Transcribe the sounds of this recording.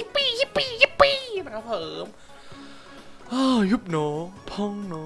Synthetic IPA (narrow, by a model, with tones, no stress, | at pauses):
i˦˥pːiː˧˩ji˦˥pːiː˧˩ji˦˥pːiː˧˩m˨˩a˧˩pʰɤː˨˦m | ʔaː˧˩ju˦˩p̚nɔː˨˦˥ŋpʰɔ˧˩ŋnɔː˦